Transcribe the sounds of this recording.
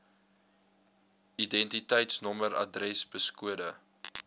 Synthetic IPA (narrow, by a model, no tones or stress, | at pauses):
idɛntitəjtsnɔməɾɐ̰drɛsbəskuədə